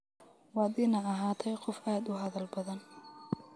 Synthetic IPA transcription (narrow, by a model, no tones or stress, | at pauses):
wɑːd̪iːnɐɐɦaːt̪ʰɛjqɔfʔaːd̪ʊɦɐðɐlbɐðɐn